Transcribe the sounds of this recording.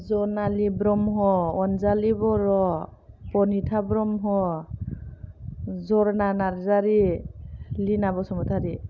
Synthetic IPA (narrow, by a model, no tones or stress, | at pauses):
zɔnalibɾɔmɦɔɔnzalibɔɾɔ | pɔnitʰabɾɔmɦɔ | zɔɾnanaɾzaɾi | linabɔsɔmɔtʰadi